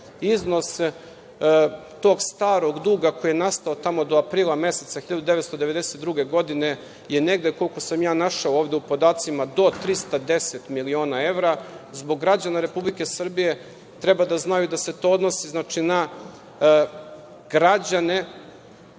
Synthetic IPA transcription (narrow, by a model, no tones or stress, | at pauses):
izno̞s | t̪o̞ːɡst̪aːɾo̞ɡd̪uːɡako̞jijenast̪aot̪amo̞d̪o̞apɾiːlˠame̞se̞t̪saxiʎad̪ud̪eet̪st̪od̪e̞ʋe̞d̪ese̞t̪d̪ɾuɡe̞ɡo̞d̪ine̞ | jene̞ɡd̪e̞ko̞liko̞samjaːnaʃaooːʋd̪eupo̞d̪aːt̪simad̪o̞t̪ɾist̪ad̪e̞set̪milio̞ːnae̞ʋɾazbo̞ɡːɾad͡ʑanaɾe̞publike̞sr̩bije̞ | t̪ɾebad̪aznajud̪ase̞t̪o̞ːod̪no̞siznaːt͡ʃina | ɡɾad͡ʑane